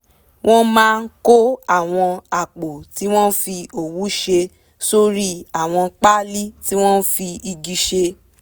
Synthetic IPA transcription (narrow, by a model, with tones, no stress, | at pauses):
w̃ʔɔ̃˦mãː˦˧n̩˦ko˦a˦˨w̃ɔ̃˧a˨k͡po˨ti˨˦w̃ɔ̃˦fi˧o˨wu˨˦ʃe˧ | so˦ɾi˦a˦˨w̃ɔ̃˧k͡pa˦li˦ti˦w̃ɔ̃˦fi˧i˧ɡi˧ʃe˧